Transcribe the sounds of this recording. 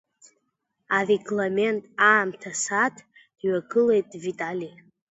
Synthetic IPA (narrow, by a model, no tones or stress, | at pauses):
areɡlame̞ntʼaːmtʰasatʰʼ | d̥ɥaɡɨle̞jtʼvitʼali